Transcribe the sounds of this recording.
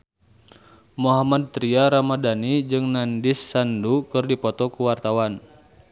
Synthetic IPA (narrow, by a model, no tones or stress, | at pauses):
mɔɦamad̪̚t̪ɾiaɾamadanid͡ʒɨŋnandisːandukɨrdipɔt̪ɔkuwart̪awan